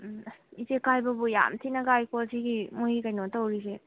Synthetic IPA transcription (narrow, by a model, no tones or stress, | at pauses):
izekajbɐbuja̰mtʰinɐɡajkosiɡimuikajnotɐwɾise